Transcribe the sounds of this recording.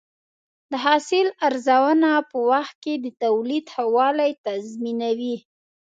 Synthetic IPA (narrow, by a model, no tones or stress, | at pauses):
d̪əɦɑsɪlaɾzawənapəwaxt̪̚ked̪ət̪awlid̪hawɑlajt̪azminawi